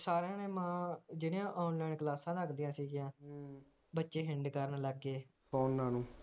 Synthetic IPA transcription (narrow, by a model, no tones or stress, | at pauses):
saːɾãːneːmãːd͡ʒɪɽẽãːʔɔːnlɛːnklaːsãːd̪əkd̪ijãːsiːɡijãː | bətːʃeːɦɪɳɖkəɾnləɡːeː | kɔːnːaːnũː